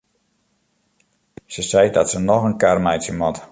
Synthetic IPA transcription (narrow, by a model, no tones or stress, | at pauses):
səsɛjdɔtsənɔxənkarmɛjtsjəmɔt